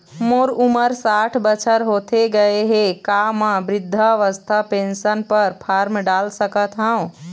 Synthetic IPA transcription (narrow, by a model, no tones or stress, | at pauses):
moɾuməɾsaʈʰbət͡ʃʰəɾɦot̪ʰeɡəeɦekamãbɾid̪ʱːəʋəst̪ʰapensənpəɾpʰaɾmɖalsəkət̪ɦə̃ũ